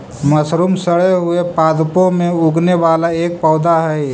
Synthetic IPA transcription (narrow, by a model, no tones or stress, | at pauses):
məsɾuːmsəɽeɦʊepaːd̪põmẽʊɡneʋaːlaeːk̚pɔːd̪aɦɛ